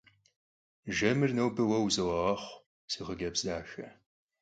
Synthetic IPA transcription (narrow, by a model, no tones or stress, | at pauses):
ʒɐmɨrnɐwbɨwɐwzɨwɐʁɐχʷ | siʁəɡɐbzdaːxɐ